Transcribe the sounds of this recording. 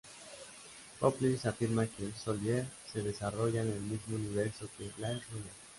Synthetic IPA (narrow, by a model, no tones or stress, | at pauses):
poplisafiɾmakeelsolese̞ðe̞saro̞ʝaene̞lmizmouniβ̞e̞ɾso̞ke̞laeɾuna